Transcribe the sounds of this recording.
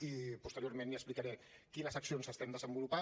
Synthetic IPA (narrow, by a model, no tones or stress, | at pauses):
ipust̪əɾjoɾmẽnliəsplikaɾɛkiləzəksionzəst̪ɛnd̪əzəmbulupa